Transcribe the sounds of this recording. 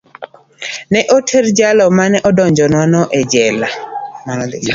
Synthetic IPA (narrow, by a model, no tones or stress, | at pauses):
nɛʔotʰeɾd͡ʒalɔmanɛʔɔdɔɲd͡ʒɔnwanɔʔɛd͡ʒɛlamanɔd̪ɪ